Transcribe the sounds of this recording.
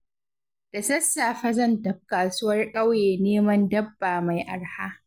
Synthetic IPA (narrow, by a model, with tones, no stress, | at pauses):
d̥a˨sɐ˦sːaː˨ɸɐ˦zɐ˦˨ndɐ˦˨b̚kːaː˨su˦wɐ˦rkʼɐ˦wjeː˨neː˦mɐ˦ndɐ˦bːaː˨ma˨jʔa˨rhaː˦